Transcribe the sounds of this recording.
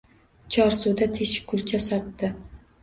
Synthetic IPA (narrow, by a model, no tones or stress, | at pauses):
t͡ʃʰɒɾsud̪at̪ʰeʃkʰʊlt͡ʃʰasɒt̪ːɪ